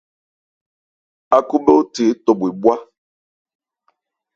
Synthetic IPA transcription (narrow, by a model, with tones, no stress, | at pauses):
a˨ku˦bo˦o˦te˨˦tɔ˨be˨bwa˦